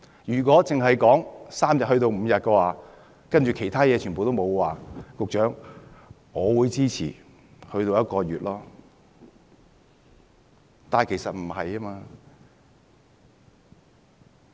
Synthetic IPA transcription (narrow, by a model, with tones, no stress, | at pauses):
jyː˨˩kɔː˨˥t͡sɪ˨ŋɦɐ˨jkɔː˨˥ŋsaː˥mjɐ˨t̚hɵ˧t̪o˧wm̩ː˨˧jɐ˨t̚kɛː˧waː˨˧ | kɐ˥nt͡ʃy˨kʰe˨˩jt̪ʰaː˥jɛː˨˧t͡ʃʰyː˨˩npo˨wt̪o˥wmo˨˧wwaː˨kʊ˨k̚t͡ʃœː˨˥ŋ | ŋɔː˨˧wuː˨˧jt͡siː˥t͡sʰḭː˨˩ | hɵ˧ɥt̪o˧wjɐ˥t̚kɔː˧ɥyː˨t̚lɔː˥ | t̪aː˨˧nkʰe˨˩jsɐ˨t̚m̩˨˩hɐ˨jaː˥maː˧